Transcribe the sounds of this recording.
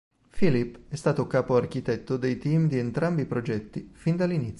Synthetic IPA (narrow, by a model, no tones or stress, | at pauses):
filipːɛst̪aːt̪okaːpoark̟it̪ɛt̪ːod̪ejt̪iːmd̪ient̪ɾambipɾod͡ʒɛt̪ːifind̪alːinit̪sjo